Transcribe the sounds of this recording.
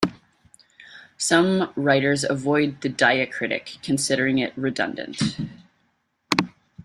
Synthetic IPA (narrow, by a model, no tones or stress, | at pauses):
sʌ̃mɹaɪɾə˞zəvɔɪd̪̚ðɨdaɪɨkʰɹ̥ɪɾɨ̰kʰːɨ̃n̩sɪɾə˞ɪ̃ŋɪ̰t̚ɹɨdʌ̰̃ndɨ̰̃nt